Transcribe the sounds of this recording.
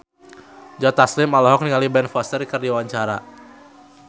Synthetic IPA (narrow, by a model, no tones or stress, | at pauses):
d͡ʒat̪aslɪmalɔɦɔk̚niŋalibɛnfɔst̪ərikɨrdiawaɲt͡ʃaɾa